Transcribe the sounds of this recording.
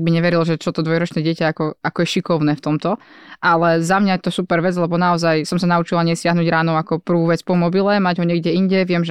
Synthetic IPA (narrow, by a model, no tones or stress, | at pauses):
ɡ̚biɲɛʋɛɾilʒɛt͡ʃɔt̪ɔd̪ʋɔjɾɔt͡ʃnɛːɟɪɛcaakɔakɔjɛʃikɔʊnɛːft̪ɔmt̪ɔ | ʔalɛzamɲajɛt̪ɔsupɛɾʋɛd͡zlɛbɔnaɔzajsɔmsanaut͡ʃilaɲɛsɪaɦnuːɟɾaːnɔakɔpr̩ʋuːʋɛt͡spɔmɔbilɛmaɟɦɔɲɛɡɟɛiɲɟɛʋɪɛmʒɛ